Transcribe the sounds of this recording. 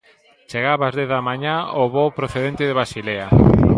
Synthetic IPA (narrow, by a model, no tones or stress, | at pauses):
t͡ʃeɣaβazðeðamaɲaoβopɾoθeðent̪ɪðeβasilea